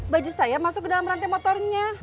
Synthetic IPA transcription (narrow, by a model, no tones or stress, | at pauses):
bad͡ʒusajamasʊk̚ːdalamrant̪imɔt̪ɔrɲa